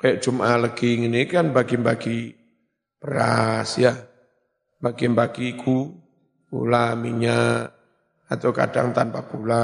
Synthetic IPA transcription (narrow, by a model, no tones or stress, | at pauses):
kajaʔd͡ʒumaləɡ̥iŋənikanbaɡɪmbaɡi | pəɾa̰sja | b̥aɡɪmbaɡikʰu | ṵlamiɲaʔ | at̪awka̰daŋt̪anpapula